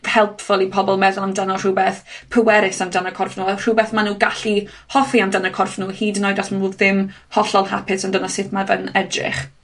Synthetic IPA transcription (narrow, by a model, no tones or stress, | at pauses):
hɛlˠpʰfɔlˠipʰɔbɔlˠmɛðɔlˠamdanɔr̥uːbeːθpʰəwɛɾɪsamdanəkʰɔrfnuːr̥uːbɛθmanuːɡaɬi | hɔfiamdanəkʰɔrfnuːhiːdnɔjdasmauðɪmhɔɬɔlˠɦa̰pʰɪsandənɔsɪθmavənɛdrɪ̰χ